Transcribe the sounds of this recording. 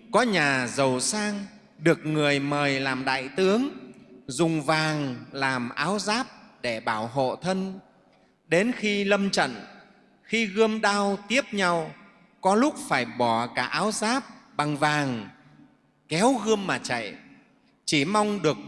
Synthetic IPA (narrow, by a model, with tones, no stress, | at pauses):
kɔ˨˦ɲaː˨˩zə˨˩wsaː˧ŋ | ɗɨ˨˩ək̚ŋɨ˨˩əjməː˨˩jlaː˨˩mɗa̰ː˧˨jt̪ɨ˨˦əŋzʊ˨˩ŋ͡mvaː˨˩ŋlaː˨˩mʔaː˨˦wzaː˦˥p̚ɗe˧˩ɓaː˧˩wɦo̰˧˨t̪ʰə˧n | ɗe˨˦nxi˧lə˧mt͡ɕə̰˧˨n | xi˧ɣɨ˧əmɗaː˧wt̪i˦˥əp̚ɲa˧w | kɔ˨˦lʊ˦˥k͡p̚faː˧˩jɓɔ˧˩kaː˧˩ʔaː˨˦wzaː˦˥p̚ɓa˨˩ŋvaː˨˩ŋ | kɛ˨˦wɣɨ˧əmːaː˨˩t͡ɕa̰˧˨j | t͡ɕi˧˩ma˧wŋ͡mɗɨ˨˩ək̚